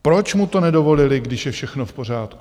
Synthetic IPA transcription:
pɾo̞t͡ʃmut̪o̞nɛdo̞vo̞lɪlɪɡdɪʃjɛfʃɛxnofpor̝aːt̪ku

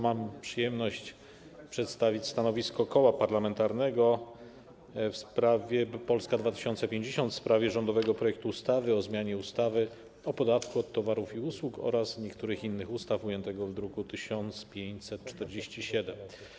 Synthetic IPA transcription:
mampʂɘjɛmnɔɕt͡ɕ | pʂɛt̪st̪avʲit͡ɕʲst̪anɔvʲiskɔkɔwapaɾlamɛnt̪aɾnɛɡɔ | fspɾavʲjɛpɔlskad̪vat̪ɘ̥ɕɔnt̪sɛpʲjeɲd͡ʑeɕɔnt̪fspɾavʲjɛʐɔnd̪ɔvɛɡɔpɾɔjɛk̚t̪uːst̪avɘɔzmʲjaɲɛust̪avɘ | ɔpɔd̪at̪kuɔt̪ːɔvaɾufiuswukɔ̰ɾasɲɛkt̪uɾɘxinːɘxust̪afujɛnt̪ɛɡɔvd̪ɾukut̪ɘɕɔnt̪spʲjeɲt͡ɕsɛt̪̚t͡ʂt̪ɛɾd͡ʑeɕt͡ɕiɕɛd̪ɛm

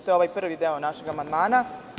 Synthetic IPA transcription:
t̪ojoʋajpr̩ːʋid̪eonaʃeɡamand̪maːna

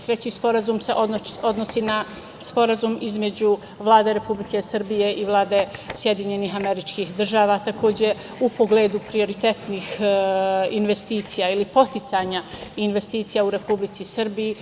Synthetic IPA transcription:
t̪ɾet͡ɕiːspo̞ɾazumseʔoo̞d̪nosina | spo̞ɾazumizme̞d͡ʑu | ʋlˠaːd̪e̞ɾe̞publike̞sər̩bije̞ʔiʋlˠaːd̪esje̞d̪iɲe̞niːɦame̞ɾit͡ʃkiːxd̪r̩ʒaːʋat̪ako̞ːd͡ʑe̞ | upo̞ɡle̞ːd̪upɾio̞ɾit̪e̞t̪niːx | inʋe̞st̪iːt̪sijailipo̞t̪it̪saːɲainʋe̞st̪iːt̪sijauɾe̞publit̪sisrbiji

